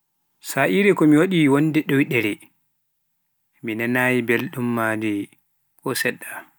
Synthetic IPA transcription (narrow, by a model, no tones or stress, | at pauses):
saʔiɾɛkɔmiwaɗiːwɔndɛɗɔjɗɛɾɛ | minanaːjibelɗumːaːdɛ | kɔsɛɗːa